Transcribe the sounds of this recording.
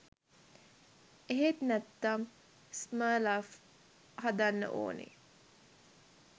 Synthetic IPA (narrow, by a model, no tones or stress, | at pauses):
eɦet̪næt̪ːam | smaːlaf | had̪anːə̰ʔo̰ːnḛ